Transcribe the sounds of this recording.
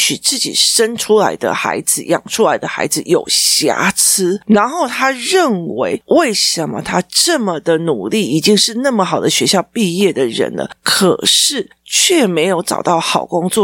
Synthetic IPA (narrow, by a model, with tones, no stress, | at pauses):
ɕy˨˩t͡sɹ̩˥˩t͡ɕḭ˨˩ʂə˦nʈ͡ʂʰu˥la˧˥ɪd̪ə̰˧xa̰˧˥ɪd͡zɹ̩˧˩jɑ̰˨˩ŋʈ͡ʂʰu˥la˧˥ɪd̪ə˧xa̰˧˥ɪd͡z̩˧˨jo˨˩ʊɕja̰˧˥t͡s̩ʰ˥na˧˥nxo˥˩ʊt̪ʰa˥ɻə˥˨nwe˧˥ɪwʔe˥˩ɪʂə˨˦nmə̰˦t̪ʰa˥ʈ͡ʂə˥˩mə˨d̪ə˨nu˨˩li˥˩i˨˩t͡ɕi˥ŋʂɻ̩˥˧na˥˩mə˩xɑ˨˩ʊd̪ə˦ɕɥɛ˧˥ɕjɑ˥˧ʊpi˥˧jɛ˥˩d̪ə˩ɻə̰˧˦˥nlə̰˧kʰə˨˩ʂɻ̩˥˩ | t͡ɕʰɥɛ˥˩me˧˥ɪjo˧˩ʊʈ͡ʂɑ̰˨˩ʊt̪ɑ˥˩ʊxɑ˨˩ʊkʊ˦ŋt͡swɔ˥˨